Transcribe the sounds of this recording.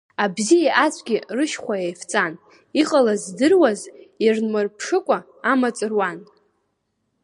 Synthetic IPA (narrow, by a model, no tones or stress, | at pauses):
abzijaʔat͡sʷʰʼɡʲirɨʃχʷajajft͡sʼan | iqʼalazdɨrwazirnmɨrpʰʂɨkʷʼa | amat͡sʼɨrwan